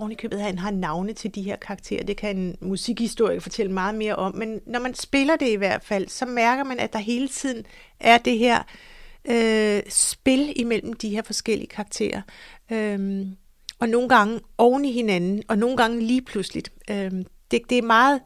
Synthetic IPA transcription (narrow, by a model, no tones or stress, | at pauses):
ɒʊnikʰø̰ːbð̩ˠhænɦɑ̈nɑ̈ʊnəðt͡sʰe̝ld̥iɦe̝ɐ̰kʰɑ̈ɑɡ̥̚t͡sʰe̝̰ːɐd̥e̝kʰæe̝nmusiɡ̥hisd̥o̝ɐ̰iɡ̥fɒ̽t͡sʰel̰əmɑ̈ːð̞̩ˠme̝ːɐʔɒ̽mmːenːɒmænsb̥e̝lɐd̥e̝iʋæɐ̰d̥fæl̰sɒ̽mæɐɡ̥ɐmænæd̥ɑ̈ɦe̝ːlət͡sʰið̞̰ˠn̩ | æɐd̥e̝ɦeɐ̰øsb̥e̝limel̰m̩d̥ihe̝ɐ̰fɒ̽sɡ̥el̰ḭəkʰɑ̈ɡ̥̚t͡sʰe̝̰ːɐøm | ɒ̽no̝ːn̩ɡ̥ɑ̈ŋəɒʊniɦe̝nænn̩ɒ̽no̝ːn̩ɡ̥ɑ̈ŋəliːpʰluslid̥ød̥e̝d̥e̝æmɑ̈ːð̩ˠ